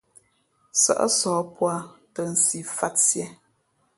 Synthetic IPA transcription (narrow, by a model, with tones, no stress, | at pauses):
sə̰˨ʔə̰˦sɔː˨˦pwa˦tə˨n̩˨si˨fa˦tsjɛ˦